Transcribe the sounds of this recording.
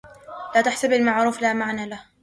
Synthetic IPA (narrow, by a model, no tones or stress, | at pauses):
laːt̪aħsabalmaʕɾuːflaːmaʕnaːlah